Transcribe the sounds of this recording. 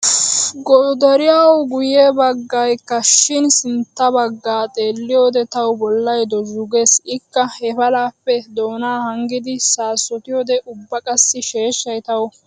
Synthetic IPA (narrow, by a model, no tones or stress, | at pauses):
ɡɔːd̪ɐɾɪjawɡʊjebɐɡːɐjkːɐʃɪnsɪnt̪ːɐbɐɡːaːt̪ʼe̞ːlːɪjoːd̪ɛt̪ɐwbɔlːɐjd̪ɔʒʊɡe̞ːsɪkːɐhɛfɐlaːpːɛd̪o̞ːnaːhɐŋɡɪd̪ɪsaːsːɔt̪ɪjoːd̪ɛʔʊbːɐkʼɐsːɪʃe̞ːʃːɐjt̪ɐw